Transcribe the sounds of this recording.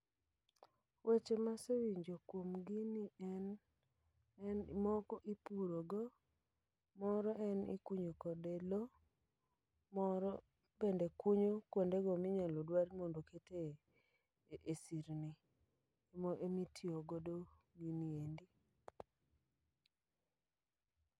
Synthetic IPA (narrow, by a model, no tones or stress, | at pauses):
wet͡ʃemasewiɲd͡ʒokwomɡiniɛn | ɛnmɔkɔʔipuɾoɡɔ | mɔɾɔʔɛnḭkuɲokɔdelo | mɔɾɔ | bendekuɲokwondeɡɔmɪɲalodwaɾmondokete | ʔesiɾni | moʔemitʰioɡɔdoɡiniendi